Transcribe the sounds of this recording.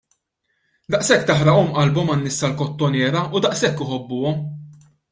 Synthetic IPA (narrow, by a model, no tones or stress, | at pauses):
d̪ɐʔsɛkːt̪ɐħɾɐʔɔmʔɐlbɔmɐnːɪsːɐlkɔt̪ːɔnɛːɾɐʊd̪ɐʔsɛkːɪħɔbːʊːɔm